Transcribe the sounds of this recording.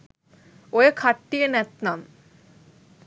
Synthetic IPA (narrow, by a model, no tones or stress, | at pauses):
ojekʰɐʈːijɐnet̪nɐm